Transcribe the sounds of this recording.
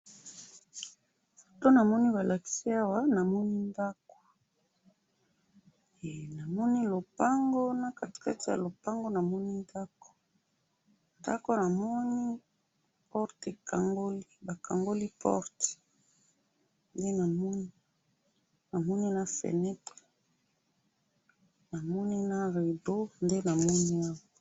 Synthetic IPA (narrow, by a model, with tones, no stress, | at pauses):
to˦na˨mɔ˦ni˦ba˨lʔa˨ki̥˨si˦a˦wa˨na˨mɔ˦ni˦nda˦ko̥˨ | e˨na˨mɔ˦ni˦lo˨pa˦ŋɡo˦na˨ka˨ti̥˨ka˦ti˦ja̰˨lo˨pa˦ŋɡo˦na˨mɔ˦ni˦nda˦ko̥˨ | nda˦ko˦na˨mɔ˦ni˦ | pɔ˦ʁte˨kʰa˨ŋɡo˦li˦ba˨ka˨ŋɡo˦li˦pʰɔ̰˦ʁte̥˨ | nde˦na˨m˦ni˦ | na˨mɔ˦ni˦na˦fḛ˨nɛ˦te˨ | na˨mɔ˦ni˦na˦ʁe˨do˦nde˦na˨mɔ˦ni˦a˦wa˨